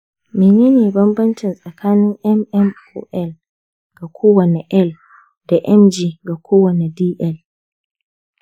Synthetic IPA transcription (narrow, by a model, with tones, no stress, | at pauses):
mi˨ɲɛ˦niː˨bɐ˦mbɐ˦nt͡ʃi˨nsʼɐ˨kʰaː˦nɪ˦nʔɛ˦mɛ˦m | ɔ̰˦ʔɛ˦l | ɡ̥a˨kʰu˦wa˨nɛ˨ʔɛ˦l | d̥a˨ʔɛ˦md͡ʒiː˦ɡa˨kʰu˦wɔ˨nɛ˨di˦ʔɛ˨l